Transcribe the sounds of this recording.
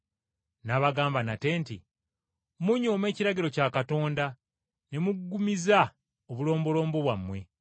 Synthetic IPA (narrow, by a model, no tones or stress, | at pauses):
naβaɡaːmbanate̞ːntḭ | muɲoːme̞ːciɾaɟiɾo̞caːkato̞ːnda | ne̞muɡɡːumiza | oβulo̞ːmbo̞lo̞ːmbo̞βwamːwe̞